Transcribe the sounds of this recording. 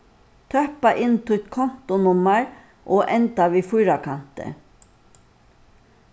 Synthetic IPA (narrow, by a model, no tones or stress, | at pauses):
t̪ʰœhpaʔɪnt̪ʰʊt̪kʰɔm̥t̪ʊnʊmaɹ | ʔoːʔɛnt̪aʋiːfʊjɾakʰan̥t̪ə̰